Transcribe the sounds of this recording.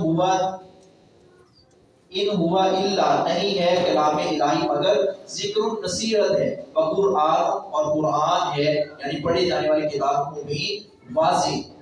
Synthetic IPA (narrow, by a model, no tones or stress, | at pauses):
a | ɪnɦʊʋaʔɪlːanɐɦĩɦɛːkɐlaːmeɪlaːɦimɐɡəɾzɪkɾõnɐsiːɦət̪ɦɛːpɐkʊɾʔaːnɔːɾkʊɾaːnɦɛːjaːnĩpɐɽed͡ʒaːneʋaːlekɪt̪aːbõkobʱĩ | ʋaːzeɦɛ